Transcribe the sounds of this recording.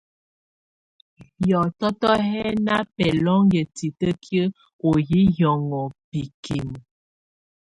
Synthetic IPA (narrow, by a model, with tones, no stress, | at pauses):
jɔ˨tɔ˦tɔ˦ɦɛ˦na˦pɛ˨lɔ˦ŋjə˨ti˨tə˦kjə˦ | o˨ji˦jɔ˨ŋɔ˨pi˨kʰi˨m˨